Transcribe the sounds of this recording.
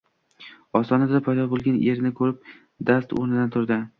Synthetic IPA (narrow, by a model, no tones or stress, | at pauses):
ɒsɒnad̪d̪apʰajd̪ɒbolˠɡʲaneɾnɪkʰɵɾɪp̚ | d̪ast̪o̰ɾnɪd̪ant̪ʰʊɾd̪ɪ